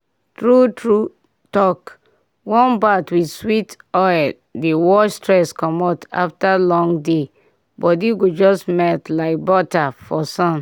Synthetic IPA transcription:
tɹutɹu | tɔk | wɔ̃nbatwidswitɔɪl | dewɔstɹɛskɔmɔta̰ftalɔ̃ŋde | bɔdiɡod͡ʒɔsmɛltlaɪk̚bɔtafɔsɔ̃n

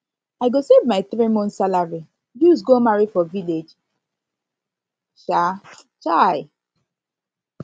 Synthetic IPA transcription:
aɪɡosevmaɪθɹimɔ̃ntsalaɹi | jusɡomaɹifɔviled͡ʒ | ʃa | t͡ʃaɪ

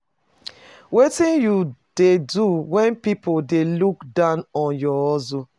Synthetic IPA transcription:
wetĩnjud̥eduwɛ̃npipodelukdãʊnɔ̃njɔɔzo

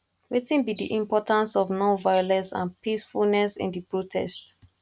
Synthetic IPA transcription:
wetĩnbidiʔĩmpɔtãnsɔvnɔ̃nvajɔlɛ̃sã̰npʰisfulnɛsḭ̃ndipɹotʰɛ̰st

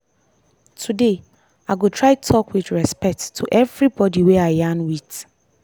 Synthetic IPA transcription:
tʰude | aɡotʰɹaɪtʰɔkʰwɪθɹɛspɛk̚tʰːuʔɛvɹibɔdiweajãnwit

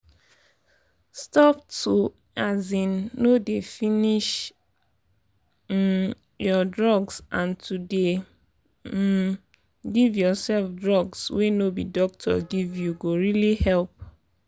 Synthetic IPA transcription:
stɔptu | azĩnːodefiniʃ | jɔdɹɔɡsʔãntʰude | ɡivjɔsɛlfdɹɔɡswenobidɔk̚tʰɔ̰ɡivjuɡoɹilihɛlp̚

